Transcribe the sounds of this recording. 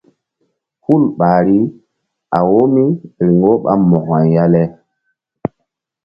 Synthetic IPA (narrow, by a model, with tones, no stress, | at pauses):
hu˦lɓaː˨ɾi˦ | a̰˨wo˦mi˦ɾi˨ŋɡo˦ɓa̰˦mɔ˨ha˨jja˦lɛ˦